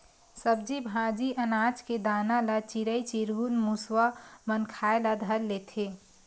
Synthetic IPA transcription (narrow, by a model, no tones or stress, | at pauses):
səb̚d͡ʒibʱãd͡ʒiʔənad͡ʒked̪aːnalat͡ʃiɾəit͡ʃiɾɡunmuswamənkʰaelad̪ʱəɾlet̪ʰe